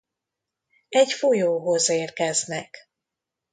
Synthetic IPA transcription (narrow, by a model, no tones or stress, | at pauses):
ɛɟfojoːɦozeːrkɛznɛk